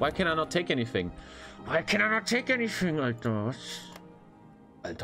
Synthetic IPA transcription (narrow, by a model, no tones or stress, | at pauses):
waɪkʰɨ̃ñaɪnətʰeɪkɛñiθɪ̰̃ŋwaɪkʰɨ̃ñaɪnətʰeɪkɛniθɪ̃ŋaɪk̚dowʌts | atʰ